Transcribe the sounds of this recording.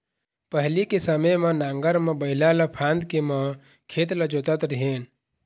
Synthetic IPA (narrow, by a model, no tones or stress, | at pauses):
pəɦlikesəməjmenãːŋɡəɾmẽbəɪlaləpʰãːnd̪kemə | kʰet̪ləd͡ʒot̪ət̪ɾiɦeːn